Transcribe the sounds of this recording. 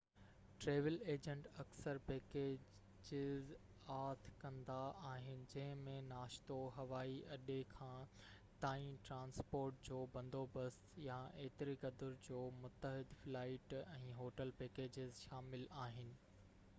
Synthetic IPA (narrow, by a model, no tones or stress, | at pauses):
ʈɾeːʋəleːd͡ʑə̃ɳʈɐksəɾpeːkeː | d͡ʑɪz | aːt̪ʰkɐ̃nd̪aaːɦɪnɪ̆d͡ʑɐ̃ɦɪ̃mẽnaːʃt̪oɦɐʋaːiʔɐɗekʰãː | t̪aːĩmʈɾãːnspoːɾʈ̚d͡ʑoːbɐ̃nd̪ʱobɐs | jaeːt̪ɪɾikɐd̪ʊɾd͡ʑoːmʊt̪ːəɦɪd̪flaːɪʈɛ̃ːɦoːʈəlpeːkeːd͡ʑɪzʃaːmɪlaːɦɪnɪ̆